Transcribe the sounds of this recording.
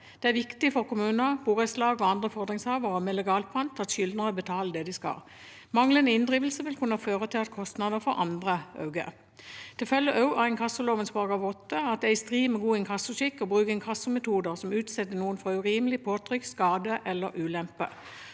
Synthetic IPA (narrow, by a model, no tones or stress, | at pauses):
d̪̥ɛæʁʋɪkt̪ɪfɔʁkʊmʉːnəb̥uːʁəslɑːɡɔɑnd̪ʁəfɔʁd̪ʁɪŋshɑːʋəʁəmɛlɛɡɑːlpʰʁɑnt̪ːɑt̪ʃʏld̪nəʁɔbət̪ʰɑːləd̪ɛd̪ɪskɑ̰l | mɑŋlənəɪnd̪ʁiːʋəlsəʋɪlkʰʉnːəføːʁət̪ʰɪlɑt̪kʰɔst̪nɑd̪əfɔʁʔɑ̰nd̪ʁəɑ̰ʉɡə̰ | t̪ʰɪlfœlːəʔɑʉʔɑɛɪnkʰɑsːəloːʋənsbɑːɡɑʋɔt̪ːəɑt̪̚d̪æɪst̪ʁiːmɛɡuːɪnkʰɑsːəʃɪkːɔbʁʉːkɛnkʰɑsːəmɛt̪ʰuːd̪əʁsɔmʉːt̪sɛt̪ːənuːənfɔʁʉʁiːməlɪpʰoːt̪ʰʁʏkskɑːd̪əʔɛlːəɾʔʉːlɛmpə̰